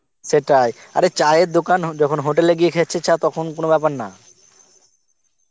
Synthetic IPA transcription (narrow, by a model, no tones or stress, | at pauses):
ʃeʈaja̰ɾet͡ɕaeɾd̪okand͡ʑɔkʰonɦoʈ̬eleɡijekʰet͡ɕʰet͡ɕʰat̪ɔkʰonkonobɛpaɾna̰